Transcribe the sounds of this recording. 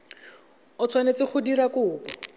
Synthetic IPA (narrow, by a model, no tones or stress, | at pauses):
ʊt͡sʰwanet͡sɪχʰʊdiɾakʊːpɔ